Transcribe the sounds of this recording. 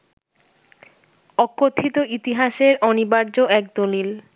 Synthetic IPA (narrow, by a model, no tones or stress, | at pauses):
ɔkːot̪ʰːit̪oit̪iɦaʃeɾɔnibaɾd͡ʑoʔɛk̚d̪olil